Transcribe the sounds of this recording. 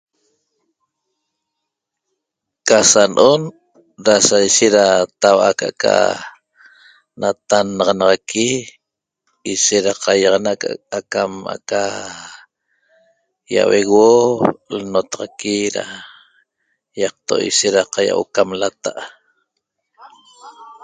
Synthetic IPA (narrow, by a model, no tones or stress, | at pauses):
kasanʔon | ɾasajʃeʔɾat̪awʔakaka̰ | nat̪anɑʁɑnɑʁɑki | iʃeʔɾaqɑjɑʁɑnaʔka̰akama̰ka | ja̰weɣwolnot̪ɑʁɑkiɾa̰ | jɑq̚t̪oʔḭʃeʔɾaqaja̰wʔo̰kamlat̪aʔ